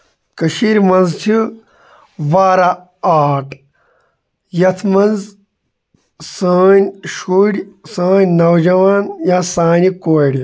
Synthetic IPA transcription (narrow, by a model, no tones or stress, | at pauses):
kəʃiɾʲmɐnzt͡ʃʰi | ʋaːɾa | aːʈʰ | jɐt̪ʰmɐnz | saːnʲʃuɽʲsəːnʲnɐwd͡ʒɐʋaːnjãsaːnikoːjɽʲi